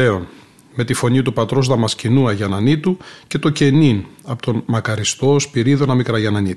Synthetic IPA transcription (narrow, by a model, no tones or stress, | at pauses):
eo̞n | me̞t̪ifo̞ɲit̪upɐt̪ɾo̞zðɐmɐscinuɐʝɐnɐnit̪uce̞t̪o̞ce̞ninɐpot̪o̞nmɐkɐɾist̪o̞spiɾiðonɐmikɾɐʝɐnɐni